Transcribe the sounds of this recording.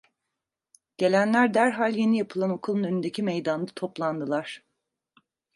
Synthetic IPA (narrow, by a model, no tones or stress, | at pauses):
ɟ̥e̞lʲænlʲæɾd̪æɾɦalʲje̞nijapʰɯlˠano̞kʰulˠɯnønynd̪ecʰimejd̪and̪at̪ʰo̞plˠand̪ɯlˠaɾ̥